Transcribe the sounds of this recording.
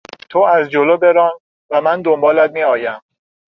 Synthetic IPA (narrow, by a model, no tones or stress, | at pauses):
t̪ʰoæzd͡ʒoloːbe̞ɾɒːn | væmænd̪o̞mbɒːlæt̪̚miɒːjæm